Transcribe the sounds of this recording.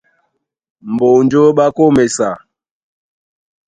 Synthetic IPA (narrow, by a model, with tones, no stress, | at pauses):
m̩˨bo˨n˦d͡ʒo˦ɓa˦ko˦mɛ˨sa˨